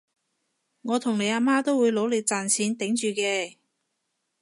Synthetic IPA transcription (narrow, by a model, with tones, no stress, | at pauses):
ŋɔː˨˧t̪ʰʊ˨˩ŋle˨˧jaː˧maː˥t̪o˥wuː˨˧jlo˨˥wlɪ˨˧k̚t͡saː˨nsʰiː˨˥nt̪ɪ˨˥ŋt͡ʃyː˨kɛː˧